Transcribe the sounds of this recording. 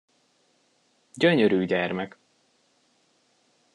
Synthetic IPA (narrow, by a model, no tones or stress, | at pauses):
ɟøɲøɾyːɟɛrmɛk